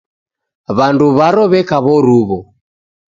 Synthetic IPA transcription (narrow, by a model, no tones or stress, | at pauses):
βanduβaɾɔβɛkaβɔɾuβɔ